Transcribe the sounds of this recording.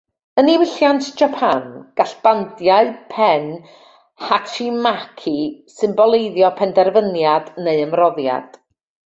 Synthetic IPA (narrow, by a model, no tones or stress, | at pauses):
əniwɪɬjantʰd͡ʒapʰanɡ̥aɬb̥andjaɨpʰɛn | hatʰimakʰisɨmbɔlˠeɨðjɔpʰɛndɛrvənjadneɨəmrɔðja̰d̥